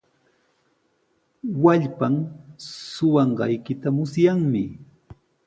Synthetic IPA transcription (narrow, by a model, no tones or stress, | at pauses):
waʎpam | sʊwɑɴɢɑjkɪt̪amʊsjaŋmɪ